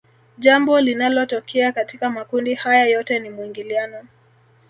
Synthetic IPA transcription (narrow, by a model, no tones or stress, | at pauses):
ʄambɔlinalɔtɔkʰɛakatikamakundihajajɔtɛnimwiŋɡilianɔ